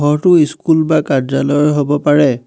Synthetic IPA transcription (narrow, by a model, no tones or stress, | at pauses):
ɔɹtʊiskulbakazalɔjɦobɔpaɹɛ